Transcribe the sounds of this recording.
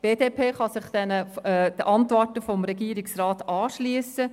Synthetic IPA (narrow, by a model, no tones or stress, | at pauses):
b̥eːdeːpʰeːχɑsɪχd̥̪ɛnəd̥̪əʔɑntʋɔrtəfɔmɾɛɡiːɾɪksrɑːtɑːʃliːəsə